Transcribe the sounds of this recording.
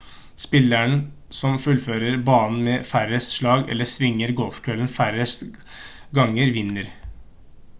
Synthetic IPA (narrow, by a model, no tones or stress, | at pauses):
spɪlːæɳ | sɔmfʉlføːɾəɾbɑːnn̩meːfæɾəsʂɭɑːɡɛ̰lːəsʋɪŋːəɾɡɔlfkʰœlnfæɾəs | ɡɑŋːəɾʋɪnːəɾ